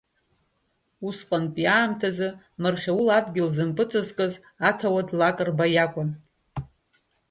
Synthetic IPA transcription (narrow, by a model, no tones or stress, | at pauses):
usqʼanpʼjaːmtʰazɨ | mɨrχʲawuladɡʲɪlzɨmpʼɨt͡sʰʼɨzkʼɨz | atʰawadlakʼɨrbajakʷʼʊn